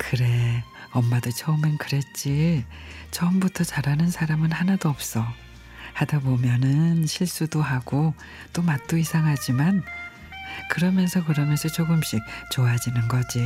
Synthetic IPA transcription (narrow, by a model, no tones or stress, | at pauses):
kɯɾe̞ | ʌmːadot͡ɕʰʌumʌnkɯɾe̞t̚t͡ɕ͈i | t͡ɕʰʌmbutʰʌt͡ɕaɾɦanɯnsʰaɾamɯnhanadoʌp̚s͈ʌ | hadabomjʌnɯnɕʰiɭs͈udoɦaɡ̥o | t͈omat̚t͈oisʰaŋɦad͡ʑiman | kɯɾʌmjʌnsʰʌkɯɾʌmjʌnsʰʌt͡ɕoɡɯmɕ͈ik̚t͡ɕoad͡ʑinɯnɡʌd͡ʑi